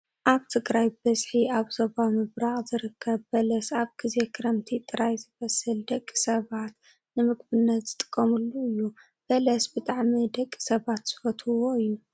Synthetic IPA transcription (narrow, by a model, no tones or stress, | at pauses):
ʔaβt̪ʰɨɡɾajbɐzħiaβzobamɨβɾaɣzɨɾɨkʰːɐbbɐlɐsaβɡ̥ɨzekʰɨɾɐmt̪ʰit̪ʼɨɾajzɨβɐsɨld̪ɐkʼːi̥sɐβat̪ | nɨmɨɡbɨnːɐt̪z̥ɨt̪ʼɨ̥kʼːɐmulːuɨjːu | b̥ɐlɐsbɨt̪ʼaʕmid̪ɐkʼːi̥sɐβat̪z̥ɨfɐt̪ʰɨwoɨjːu